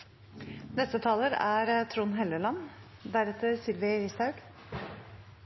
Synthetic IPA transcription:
nɛst̪ət̪ʰɑːləɾæːɾt̪ʰɾuːnɦɛləlɑn | d̪æɾɛt̪ʰəɾsɪlʋɪɾɪst̪ɑʉɡ̥

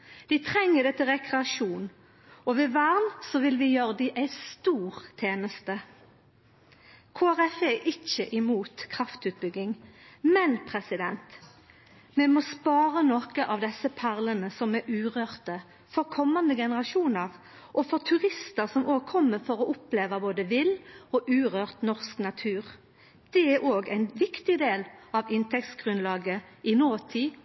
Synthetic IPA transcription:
d̪̥ɪt̪ʰʁɛŋːəd̪ɛːt̪ʰɪlʁɛkʁɛɑʂuːn | ɔʋɪʋæʁnsɔʋɪlʋɪjøːʁəd̪ɪʔæɪst̪uːʁt̪ʰeːnəst̪ə | kʰoːæʁɛfɛʔɪçəʔɪmuːt̪kʰʁɑft̪ʉːt̪̚bʏɡɪŋmɛnpʰʁɛsɪd̪ɛnt̪ | mɛmoːspɑːʁənɔkəʔɑʋd̪ɛsːəpʰæʁlənəsɔmɛʔʉːʁøːʁt̪ə | fɔʁkʰɔmːɑnd̪əɡɛnəʁɑʃuːnəʁ | ʔɔfɔʁt̪ʰʉʁɪst̪əʁsɔmʔoːɡ̚kʰɔmːəfɔʁɔʔʊpleːʋəboːd̪əʋɪlɔʔʉːʁøːʁt̪nɔʁsknɑt̪ʰʉːʁ | d̪̥ɛæɾoːɡæ̰ɪnʋɪkt̪ɪd̪eːlɑʋɪnt̪ʰɛkt̪sɡʁʉnlɑːɡəɪnoːt̪ʰiː

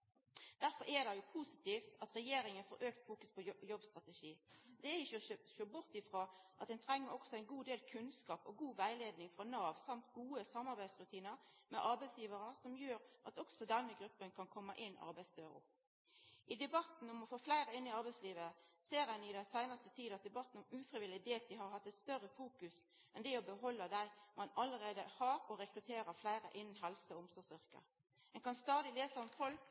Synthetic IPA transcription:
d̪̥æɾfɔɾɛd̪ɑjʊpʰusɪ̥t̪ʰiːft̪ɑt̪ɾɛjeːɾɪŋənfɔɾʔøːk̚t̪fuːkʉspʰɔjɔbst̪ʁɑt̪ɛʃiːd̪ɛɪʃʃøːbʊʁt̪ɪfɾoːʔɑt̪̚d̪ɛnt̪ʰɾɛŋːəɾɔksɔæɪnɡuːd̪eːlkʰʉnskɑːpɔɡuːʋæɪleːd̪nɪŋfʁɔnɑːʋsɑmt̪ɡuːəsɑmɑʁɾbæɪd̪sɾʉt̪ʰiːnəɾmɛʔɑɾbæɪsjiːʋəɾəsɔmjøːɾʔɑt̪ɔksɔd̪ɛnːəɡɾʉpːənkʰɑnkʰɔmːəʔɪnːɑ̰ɾbæɪst̪øːɾʊ̰ | ʔɪd̪ɛbɑt̪n̩ɔmɔfoːflæɪɾəɪnːɪɑɾbæɪsliːʋəseːɾɛnɪd̪ɛnsæɪnəst̪ət̪ʰiːd̪ɑt̪̚d̪ɛbɑt̪n̩ɔmʉːfʁɪʋɪlːɪd̪eːt̪̚d̪ɪɦɑɾhɑt̪ːɛt̪st̪œɾəfuːkʉs | ɛnd̪ɛɔbəɦɔlːəd̪æɪmɑnɑləɾeːd̪əhɑɾɔɾɛkɾʉt̪ʰeːɾəflæɪɾə̰ʔɪnn̩ɦɛlsəɔɔmsɔsʏʁkə̰ | ɛŋkɑnst̪ɑːd̪ɪleːsəɔmfɔlk

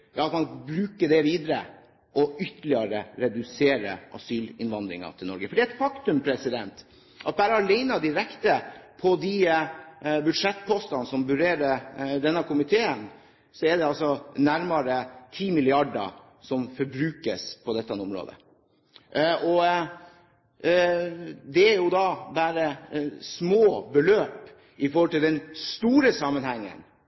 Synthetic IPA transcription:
jɑːɑt̪mɑnbɾʉːkəɖɛʋiːd̪əɾə̰ | ʔɔʏt̪ːəlɪɑɾəɾɛd̪ʉseːɾə̰ʔɑ̰syːlɪnʋɑnd̪ɾɪ̰ŋɑ̰t̪ʰɪlnɔ̰ɾɡəfɔɖiːæɛt̪fɑkt̪ʉmpʰɾɛsɪd̪ɛnt̪ | ʔɑt̪̚bæːɾəhɑleɪnɑd̪ɪɾɛkt̪əpʰɔd̪i | bʉd̪ʂɛt̪ːpʰɔːst̪ɑnsɔmbʉɾeːɾəd̪ɛnːəkʰʊmɪt̪ʰeːən | sɔɛd̪ɛɑlsɔnæɾmɑɾət̪ʰiːmɪlɪɑɖə̰ | sɔmfɔɾbɾʉːkə̰spʰɔd̪ɛt̪ːɛnʊmɾo̰ːd̪ə̰ | ʔʔɔ | d̪ɛæɾjʊd̪ɑbæːɾəsmoːbəløːp | ɪfɔɾhɔlt̪ɪld̪ɛnst̪uːɾəsɑmənhɛŋːə̰n

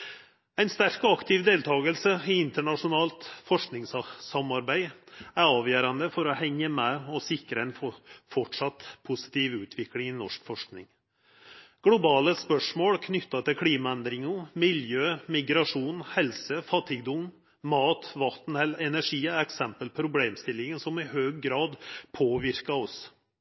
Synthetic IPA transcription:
æɪnst̪æɾkɔɑkt̪ʰɪʋd̪eːlt̪ʰɑːɡəlsəɪɪnt̪əɳɑʂʊnɑːlt̪fɔʂknɪŋssɑmɑɾbæɪæɾɑːʋjøːɾɑnd̪əfɔɾɔhɛŋːəmɛɔsɪkɾəæɪnfɔʈʂɑt̪pʰʊsɪ̥t̪iːʋʉːt̪ʰʋɪklɪŋɪnɔʂkfɔʂknɪ̰ŋ | ɡ̥lʊbɑːləspœʂmoːɽkʰnʏt̪ːɑt̪ʰɪlkʰɽiːmɑɛnd̪ɾɪŋʊmɪljøːmɪɡɾɑʂuːnhɛlsəfɑt̪ʰːɪɡd̪ʊm | mɑːt̪ʋɑt̪n̩ɛlɛnæʂiːəɛksɛmpəlpʰɾʊbleːmst̪ɪlːɪŋənsɔmɪhøːɡːɾɑːd̪pʰoːʋɪɾkɑɔs

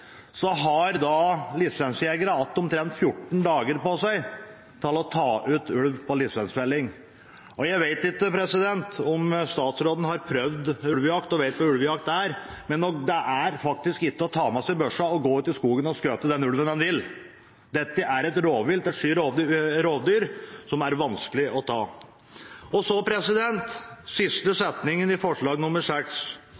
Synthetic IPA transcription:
sɔɦɑɾd̪ɑlɪsʋɛnsjeɡəɾəɑt̪ːɔmt̪ʰɾɛnt̪fjʊʈːɳ̩d̪ɑːɡəɾpɔsæɪ | t̪ʰɪlɔt̪ʰɑːʔʉːt̪ʉlʋpʰɔlɪsʋɛnsʋɛlːɪŋ | ʔɔjæɪʋeɪt̪ɪkːəpʰɾɛsɪd̪ɛnt̪ɔmst̪ɑːt̪sɾoːd̪n̩hɑɾpʰɾœʋd̪ʉlʋəjɑkt̪ɔʋeɪt̪ʋɑʉlʋjɑk̚t̪æɾ | mɛnːɔkd̪ɛʔæɾfɑk̚t̪ɪskɪk̪ːəɔt̪ʰɑːmɛsɛɪbœʂɑɔɡoːʉːt̪ːɪlskuːɡənɔskøːt̪əd̪ɛnʉlʋənd̪ɛnʋɪl | d̪ɛt̪ːəʔæɾɛt̪ɾoːʋɪlt̪ɛt̪ʂiːɾoːʋd̪ɾoːʋd̪yːɾsɔmæɾʋɑnskəlɪʔɔt̪ʰɑː | ɔsɔpʰɾɛsɪd̪ɛnt̪sɪst̪əsɛt̪nɪŋənɪfɔʂɭɑːɡnʊmːəɾʂɛks

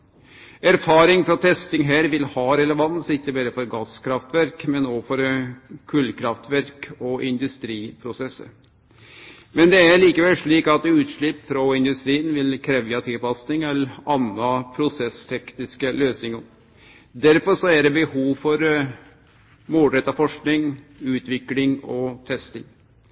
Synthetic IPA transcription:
æɾfɑːɾɪŋfɾɔt̪ʰɛst̪ɪŋɦæːɾʋɪlhɑːɾɛləʋɑnsɪkːəbæːɾəfɔɾɡɑskʰɾɑft̪ʋæɾkmɛnoːfɔɾkʰʉlkʰɾɑft̪ʋæɾkɔʔɪnd̪ʉst̪ɾiːpʰɾʊsɛsːə̰ɾ | mɛnd̪ɛæɭiːkəʋɛlʂɭiːkɑt̪ʉːt̪ʂɭɪpːfɾɔɪnd̪ʉst̪ɾiːənʋɪlkʰɾɛːʋjɑt̪ʰɪlpɑsnɪŋɛlɑnːɑpʰɾʊsɛst̪ʰɛknɪskəløːsnɪŋə | d̪æɾfɔɾʂɔæɖɛbəhuːʋfɔɾ | muːlɾɛt̪ːɑfɔʂknɪŋ | ʉːt̪ʋɪklɪŋɔt̪ʰɛst̪ɪŋ

